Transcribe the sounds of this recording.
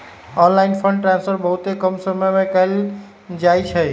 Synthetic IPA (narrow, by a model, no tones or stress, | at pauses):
ɔnlainpʰəɳɖʈɾãnspʰəɾbəɦut̪ekəmsəməjmekəl | d͡ʒajt͡ʃʰə